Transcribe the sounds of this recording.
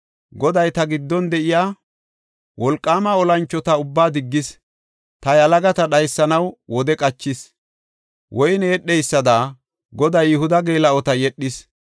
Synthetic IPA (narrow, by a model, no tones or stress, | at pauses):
ɡɔd̪ɐjt̪ɐɡɪd̪ːɔnd̪ɛʔɪjaː | wʔɔlkʼːaːmɐɔlɐnt͡ʃːɔt̪ɐʊbːaːd̪ɪɡːɪs | t̪ɐjɐlɐɡɐt̪ɐɗɐjsːɐnɐwwɔd̪ɛkʼɐt͡ʃːɪs | wɔjnɛɛɗːɛjsːɐd̪aː | ɡɔd̪ɐjʊhʊd̪ɐɡeːlɐɔt̪ɐjɛɗːɪs